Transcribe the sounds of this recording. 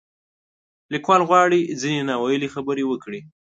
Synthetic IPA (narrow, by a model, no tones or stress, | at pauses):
likwɑlɣwɑɽid͡zinenɑwajəlixabəɾewəkɽi